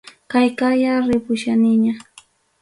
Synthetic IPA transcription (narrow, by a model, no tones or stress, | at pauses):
kajkajaɾɪpʊʃanɪɲa